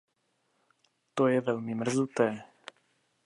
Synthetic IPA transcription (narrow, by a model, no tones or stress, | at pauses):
t̪ojɛvɛlmɪmr̩zut̪ɛː